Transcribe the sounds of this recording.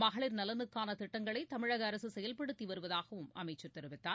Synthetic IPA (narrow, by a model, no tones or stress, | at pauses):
mɐɣɐɭɪɾnɐlɐnɯkːaːnɐt̪ɪʈːɐŋɡɐɭɐɪt̪ɐmɪɻɐɣɐːɾɐsɯsɛjɐlpɐɽɯt̪ːiʋɐɾɯʋɐðaːɣɐʋɯmʔɐmɐɪt͡ʃːɯɾt̪ɛɾɯʋɪt̪ːaː